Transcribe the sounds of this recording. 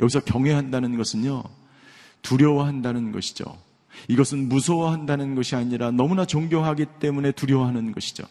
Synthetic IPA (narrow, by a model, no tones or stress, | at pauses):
jʌɡisʰʌkjʌŋɦwe̞ɦandanɯnɡʌsʰɯɲjo | tuɾjʌwaɦandanɯnɡʌɕʰi̥d͡ʑo̰ | iɡʌsʰɯnmusʰowaɦandanɯnɡʌɕʰiaɲiɾanʌmunat͡ɕoŋbjʌŋɦaɡit͈e̞mune̞tuɾjʌwaɦanɯnɡʌɕʰi̥d͡ʑo̰